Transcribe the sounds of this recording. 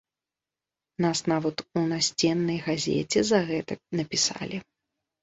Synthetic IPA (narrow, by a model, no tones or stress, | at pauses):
nasnavɐt̪unasʲt͡sʲɛnːɐjɣazʲɛ̰t͡sʲɛzɐɣɛt̪ɐnɐpʲisa̰lʲi